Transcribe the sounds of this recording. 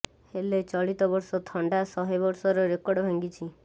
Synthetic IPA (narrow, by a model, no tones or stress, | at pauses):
helet͡ʃɔɭit̪ɔbɔɾsɔt̪ʰɔɳɖasɔɦebɔɾsɔɾɔɾekɔɾɖɔbʱaŋɡit͡ʃʰi